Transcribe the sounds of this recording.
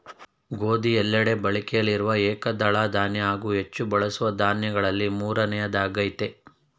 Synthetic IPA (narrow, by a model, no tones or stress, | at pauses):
ɡo̞ːd̪iɛlːɐɽe̞bɐɭikɛjɐlːiɾuʋɐɛːkɐd̪ɐɭaːd̪aːnjɐaːɡuːɦet͡ʃːubɐɭɐsuʋɐd̪aːnjɐɡɐɭɐlːimuːɾɐnɛjɐd̪aːɡɐjt̪e̞